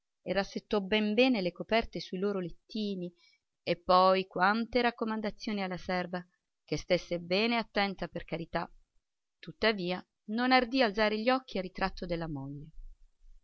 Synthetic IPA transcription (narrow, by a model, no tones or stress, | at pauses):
erːasːet̪ːɔbɛmbɛːnelekopɛrt̪esuiloːɾolet̪ːiːni | epːɔjkwant̪eɾakːomand̪at̪sːjoːnialːasɛrva | kest̪esːebɛːneat̪ːɛnt̪aperkaɾit̪a | t̪ut̪ːaviːa | nonard̪iald̪zaːɾeʎːɔk̟ːiarːit̪ɾat̪ːod̪elːamoʎːe